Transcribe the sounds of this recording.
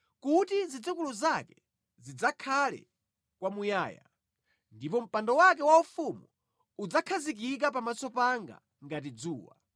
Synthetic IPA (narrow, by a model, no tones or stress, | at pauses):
kutizid͡zukuluzakɛ | zid͡zakʰalɛ̰ | kwamuja̰ːja̰ | ndipɔm̩pandɔwakɛwaufumu | ud͡zakʰazik̬ik̬ap̬amat͡sɔpaŋɡa̰ | ŋɡat̬id͡zuːwa̰